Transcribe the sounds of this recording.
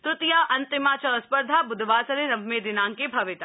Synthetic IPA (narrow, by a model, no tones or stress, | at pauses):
t̪ɾʊt̪jaʔɐnt̪ɪmaːt͡ʃɐspəɾd̪ʱabʊd̪ʋaːsɐɾeɾɐbʱmeːd̪ɪnaːŋkebʱɐʋɪt̪a